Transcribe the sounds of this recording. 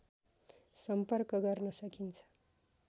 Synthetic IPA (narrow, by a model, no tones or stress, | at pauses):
sʌmpʌrkʌɡʌrnʌsʌkint͡sʰʌ̥